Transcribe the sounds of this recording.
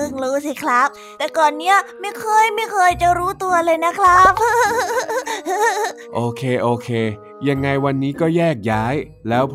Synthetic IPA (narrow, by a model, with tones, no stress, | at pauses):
ɯ˧˥˩ŋɾuː˦˥si˧˩kʰɾa˦˥p̚ | t̪ɛː˨˩kɔː˨˩nːi˦˥ɐma˥˩jkʰɤː˧jma˥˩jkʰɤː˧jt͡ɕa˨˩ɾuː˦˥t̪u˧ɐlɤː˧jna˦˥kʰla˦˥p̚ | ʔoː˧kʰeː˧ʔoː˧kʰeː˧ | ja˧ŋːa˧jwa˧nːiː˦˥kɔː˥˩jɛː˥˩k̚jaː˦˥j | lɛː˦˥wp